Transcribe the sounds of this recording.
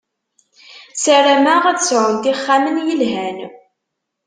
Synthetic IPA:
sæɾæmæʁæðəsʕʊnt̪iχːamənjəlɦæn

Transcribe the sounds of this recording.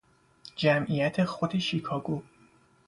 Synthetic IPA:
d͡ʒæmʔijæt̪ʰe̞xod̪e̞ʃikʰɒːɡuː

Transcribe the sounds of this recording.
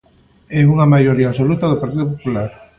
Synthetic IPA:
ɛuŋamajoɾiasolut̪ɐðopaɾt̪iðopopulaɾ

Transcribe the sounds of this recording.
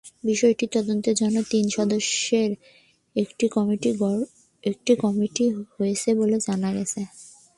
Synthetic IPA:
biʃɔeʈit̪ɔd̪ont̪eɾd͡ʑɔnːot̪inʃɔd̪oʃeɾ | ekʈikɔmiʈiɔ | ek̚ʈikɔmiʈihoet͡ɕʰeboled͡ʑanaɡɛ̰t͡ɕʰe

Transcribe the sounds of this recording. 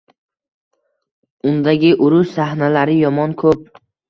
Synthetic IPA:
ʊnd̪aɡʲɪʔʊɾʊʃsahnalaɾɪjɒmɒnkʰɵp̚

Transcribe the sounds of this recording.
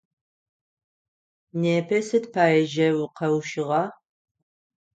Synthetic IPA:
neːpʰɐsɨtpʰaːjɛʒɐwqɐwʃɪʁɑ

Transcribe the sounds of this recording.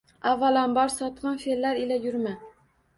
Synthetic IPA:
avːalanbɒɾsɒt̪qɑnfelːaɾɪlajʊɾma

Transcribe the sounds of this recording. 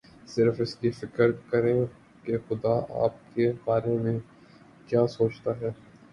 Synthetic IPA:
sɪɾfɪskifɪkəɾkɐɾẽ | kexʊd̪aa̰ːp̚kebaːɾemẽ | kjaːsoːt͡ʃt̪aɦɛː

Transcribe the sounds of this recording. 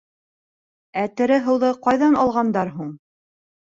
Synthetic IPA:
æt̪ɘ̆ɾɘɦɤ̆wðɤqɑjðɑnɑlˠʁɑnd̪ɑɾɦuɴ

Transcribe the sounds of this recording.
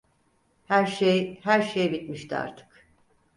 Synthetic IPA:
hæɾʃejhæɾʃejbit̪miʃt̪ʰia̰ɾt̪ʰɯ̥k

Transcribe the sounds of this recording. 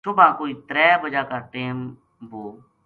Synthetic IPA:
sʊbʱãːkoːiːt̪ɾɛːbəd͡ʒaːkaːʈeːm | boː

